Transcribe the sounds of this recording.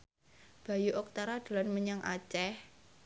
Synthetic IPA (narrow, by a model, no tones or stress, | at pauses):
b̥a̤juʔɔk̚t̪aɾad̪̥ṳlanməɲaŋʔa̰t͡ʃɛh